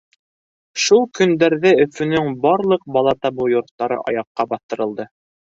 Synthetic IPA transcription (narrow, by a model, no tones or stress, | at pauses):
ʃulˠkɵ̆nd̪æɾðɘɵ̆fɵ̆nɵŋbɑɾlˠɤq̚bɑlˠɑt̪ɑbɤjŏɾt̪ːɑɾɤ̰ʔɑ̰jɑqːɑbɑθt̪ɤ̆ɾɤ̆lˠd̪ɤ